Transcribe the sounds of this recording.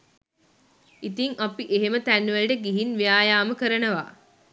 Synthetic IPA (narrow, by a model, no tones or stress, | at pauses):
it̪iŋʔapiʔeɦemət̪ænːʋælʈəɡiɦinʋijaːjaːməkəɾənəʋa̰ː